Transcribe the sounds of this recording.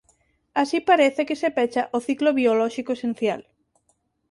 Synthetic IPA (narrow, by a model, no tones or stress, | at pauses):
asipaɾeθekesepɛt͡ʃaʔoθikloβiolɔʃikoesen̟θja̰l